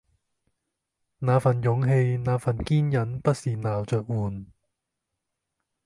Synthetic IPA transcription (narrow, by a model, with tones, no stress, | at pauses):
naː˨˧fɐ˨˩njʊ˨˧˥ŋɦe˧jnaː˨˧fɐ˨˩nkiː˥njɐ˨˥npɐ˥t̚siː˨˩naː˨˩wt͡sœː˨k̚wuː˨˩n